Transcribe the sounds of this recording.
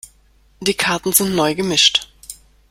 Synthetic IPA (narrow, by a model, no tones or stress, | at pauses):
d̥iːkʰaɐtn̩zɪntnɔʏɡəmɪʃt